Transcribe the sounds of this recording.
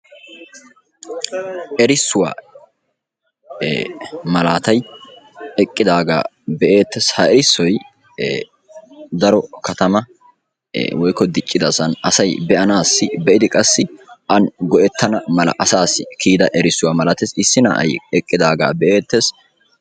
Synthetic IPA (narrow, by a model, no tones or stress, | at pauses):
ʔɛɾɪsːʊwa̰ː | mɐlaːt̪ɐj | ɛkʼːɪd̪aːɡa̰ː | bɛʔe̞ːt̪ːeːshɐʔɛɾɪsːɔj | d̪ɐɾɔkɐt̪ɐmɐ̰ | wɔjkːɔd̪ɪt͡ʃʼːɪd̪ɐsɐnɐsɐjbɛʔɐnaːsːɪbɛʔɪd̪ɪkʼɐsːɪʔɐnɡɔʔɛt̪ʰːɐnɐmɐlɐ̰ʔɐsaːsːɪkʰiːd̪ɐʔɛɾɪsːʊwaːmɐlaːt̪esɪsːɪnɐ̰ʔɐ̰jɛkʼːɪd̪aːɡa̰ːbɛʔe̞ːt̪ːes